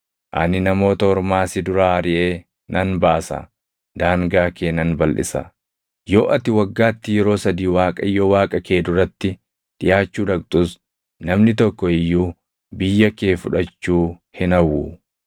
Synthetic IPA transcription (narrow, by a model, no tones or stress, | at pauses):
ʔɐnɪnɐmo̞ːt̪ɐɔɾmaːsɪd̪ʊɾaːɐɾɪʔeː | nʔɐnbaːsɐ̰ | d̪aːŋɡaːkeːnːɐnbɐlʔɪ̰sɐ̰ | jo̞ːʔɐt̪ɪwɐɡːaːt̪ːɪjɛɾo̞ːsɐd̪iːwaːkʼɐjoːwaːkʼɐke̞ːd̪ʊrɐt̪ːɪ | ᶑ̪̥ɪjaːt͡ʃːuːᶑɐkt̪ʼʊs | nɐmnɪt̪ɔkːɔɪjːuː | bɪjːɐkeːfʊᶑɐt͡ʃːuːhɪnɐwːu